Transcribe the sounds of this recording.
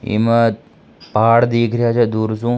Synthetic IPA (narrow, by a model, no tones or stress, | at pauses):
ḭmət̪ | paːɽd̪iːkʰɾjat͡ʃʰɛd̪uːɾsũː